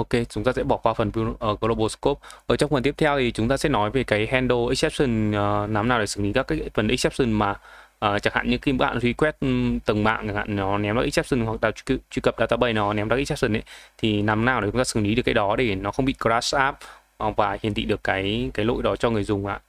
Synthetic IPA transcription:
ʔo˧ke˧t͡ɕʊ˨˦ŋ͡mt̪aː˧sɛ̰˧˥ɓɔ˧˩kwaː˧fə˨˩nvʔəː˨˩ɣo˧lo˧ɓo˧sko˦˥p̚ʔʔəː˧˨˩t͡ɕɔ˧wŋ͡mfə˨˩nt̪i˦˥ət̪ʰɛ˧wt̪ʰi˨˩t͡ɕʊ˨˦ŋ͡mt̪aː˧sɛ̰˧˥nɔ˨˦jve˨˩kaː˨˦jɦɛ˧nɗo˧ʔi˦˥k̚sɛ˦˥p̚sɨ˧nəː˨˩na˨˦mnaː˨˩wɗe˧˩ɨ˨˧˩ŋli˨˦kaː˦˥kːfə˨˩nʔi˦˥k̚sɛ˦˥p̚sɨ˧˩nmaː˨˩ | ʔəː˨˩t͡ɕa˧˩ŋha̰ː˧˨ɲɨ̰˧˥ŋki˧mɓa̰ː˧˨nzwi˧kwɛ˦˥t̚t̪ə˨˩ŋɓa̰ː˧˨˩ha̰ː˧˨nnɔ˨˦nɛ˨˦mlaː˨˦˥kʔi˦˥k̚sɛ˦˥p̚si˧nhwa˨˩k̚ɗaː˨˩˧t͡ɕwi˧kə˨˩p̚ɗaː˧˩t̪aː˨˦ɓə˨˩jnɔ˨˦nɛ˨˦mɗaː˦˥ʔ̚s̚sɨ˧˩nʔə̰˨˦jt̪ʰi˨˩na˨˦mnaː˨˩wt͡ɕʊ˨˦ŋ͡mt̪aː˧sɨ˧˩ŋli˨˦ɗɨ˨˩əkːaː˨˦ɗɔ˨˦ɗe˧˩nɔ˨˦xə˧wŋ͡mɓḭ˧˨ko˧laː˦˥sʔaː˦˥p̚ | vaː˨˩hi˨˩ənt̪ḭ˧˨ɗɨ˨˩əkːaː˨˦jkaː˨˦jlo̰˧˨jɗɔ˨˦t͡ɕɔ˧ŋɨ˨˩əjzʊ˨˩ŋ͡mʔa̰ː˧˨

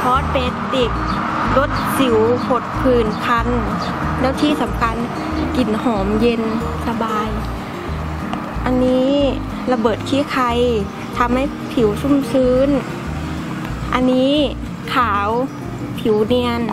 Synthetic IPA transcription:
pʰɔː˧˥t̪̚pe˧nt̪i˨˩k̚ | lo˧˥t̪̚si˨˩˦wpʰo˧˩t̪̚pʰɯː˧˩npʰa˧n | lɛː˧˥˩wt̪ʰiː˧˩˨sa˨˦mkʰa˧n | ki˨˩nhɔː˩˦mje˧nsa˧baː˧j | ʔa˧nːiː˦˥ | la˧bɤː˨˩t̪̚kʰiː˧˥˨kʰa˧j | t̪ʰa˧mha˧˥˩j | pʰi˨˦wsu˧˥˨msɯː˧˦˥n | ʔa˧nːiː˦˥˨ | kʰaː˨˩˦w | pʰi˨˩˦wni˧ən

